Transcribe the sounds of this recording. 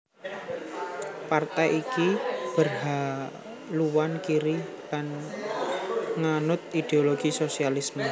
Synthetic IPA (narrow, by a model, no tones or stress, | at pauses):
part̪ajʔikib̥ərɦa | luwankiɾi | lan | ŋanʊt̪̚id̪̥eoloɡ̥isosialismə